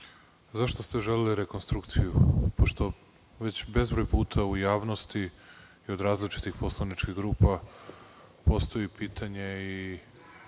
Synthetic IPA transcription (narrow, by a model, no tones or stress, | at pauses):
zaʃt̪o̞st̪e̞ʒe̞leliɾekonst̪ɾukt̪sijupoʃt̪o̞ | ʋe̞t͡ɕbezbɾo̞jpuːt̪ʰaujaːʋnost̪i | io̞d̪ɾaːzlit͡ʃi̥t̪ixpo̞slˠanit͡ʃkiɣɡɾuːpa | po̞st̪o̞jipiːt̪ʰaɲe̞i